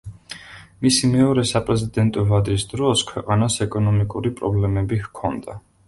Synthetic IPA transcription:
misimɛɔɾɛsapʼɾɛzid̪ɛnt̪ʼɔvad̪ɾisd̪ɾɔskʰwɛqʼanasɛkʼɔnɔmikʼuɾipʼɾɔblɛmɛbihkʰɔnd̪a

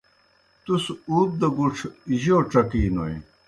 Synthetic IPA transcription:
t̪usuːp̪̚d̪ɐɡuʈ͡ʂʰiʑoːʈ͡ʂɐkiːnoji

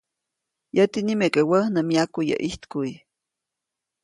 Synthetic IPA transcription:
jət̪inimekʼewəhnəmjakujə̰ʔiht̪kuj

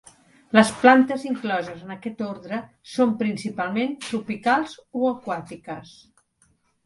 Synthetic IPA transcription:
ləsplant̪əziŋklɔzəzənəkɛt̪oɾðɾə | sompɾinsipalˠment̪ɾupikalˠzoəkwat̪ikəs

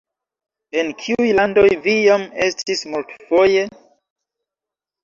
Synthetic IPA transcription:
e̞nkʰiujlando̞jvijame̞stʰismultfo̞je̞

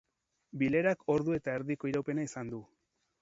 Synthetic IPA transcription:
bile̞ɾako̞ɾðue̞t̪aeɾðiko̞iɾawpe̞naisand̪u

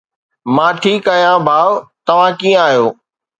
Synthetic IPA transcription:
mãːʈʰiːkaːɦjãbʱaːʋt̪ɐʋ̤ãkĩjə̃aːɦijoː

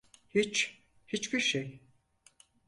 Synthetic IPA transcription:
hit͡ʃ | hit͡ʃbiɾʃej

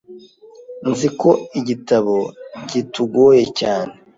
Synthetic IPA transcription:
nziko̞iɟitaβo̞ɟituɡoje̞caːne

